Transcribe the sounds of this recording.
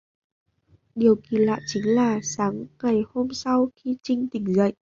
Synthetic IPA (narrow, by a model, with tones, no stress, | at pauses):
ɗi˨˩əwki˨˩˦la̰ː˧˨jt͡ɕï˨˦ŋlaː˨˩saː˨˦ŋŋa˨˩jho˧msa˧wxi˧t͡ɕï˧ŋ̟t̪ï˨˧˩ŋ̟zə̰˧˨jʔ